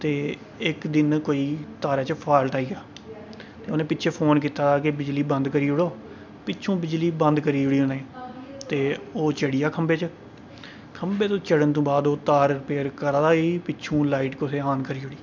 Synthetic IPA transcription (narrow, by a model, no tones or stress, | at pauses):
t̪eː | ɪkd̪ɪnkoːiːt̪aːɾaːt͡ʃpʰaːɪlʈaːiːɡaː | t̪eːoːnẽːpɪːt͡ʃʰeːpʰoːnk̬iːt̪aːd̪aːkebɪd͡ʒliːbə̃nd̪kəɾiːʊɽoː | pɪːʃʰũːbɪd͡ʒliːbə̃nd̪kəɾiːʊɽiːoːnẽːt̪eːoːt͡ʃəɽiːaːkʰəmbeːt͡ʃə | kʰəmbeːt̪õːt͡ʃəɽənt̪õːbaːd̪oːt̪aːɾɾpeːɾkəɾːd̪aːiːpɪt͡ʃʰũːlaːiːʈkʊsʰeːaːnkəɾiːʊɽiː